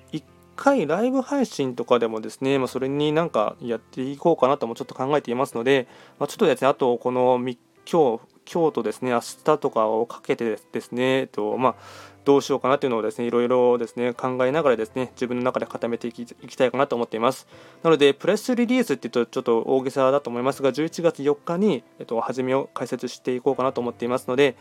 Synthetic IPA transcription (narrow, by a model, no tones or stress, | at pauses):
ikʰːaiɾaibɯ̟haiɕĩnt̪o̞kad̪e̞mo̞d̪e̞sɨne̞maso̞ɾe̞ɲ̟inãŋka̰jat̪ːe̞iko̞ːkanat̪omo̞t͡ɕo̞t̪ːo̞kãŋɡae̞t̪e̞imasɨno̞d̪e̞mat͡ɕo̞t̪ːod̪e̞sɨnat̪o̞ko̞no̞mʲi | kʲʰo̞ː | kʲʰo̞ːt̪o̞d̪e̞sɨne̞asɨ̥t̪at̪o̞kaokʰḁke̞t̪e̞d̪̥e̞sɨne̞t̪o̞mad̪̥o̞ːɕio̞ːkanat̪oiɯ̟nod̪e̞sɨne̞iɾo̞iɾo̞d̪e̞sɨ̥ne̞kãŋɡaenaɡaɾad̪e̞sɨne̞d͡ʑibɯ̃nːonakad̪e̞kat̪ame̞t̪e̞ikʲi̥t̪aikanat̪o̞ːmo̞t̪ːeimasɨ̥nano̞d̪e̞pɯ̟ɾesɨɾʲiɾʲiːsɨt̪ːeiɯ̟t̪ot͡ɕo̞t̪ːo̞ʔoːɡesad̪at̪o̞ːmo̞imasɨɡaʑɨːit͡ɕiɡat͡sɨjo̞kːaɲ̟iet̪ːo̞haʑime̞o̞kaise̞t͡sɨɕi̥t̪e̞iko̞ːkanat̪o̞ːmo̞t̪ːeimasɨno̞d̪e̞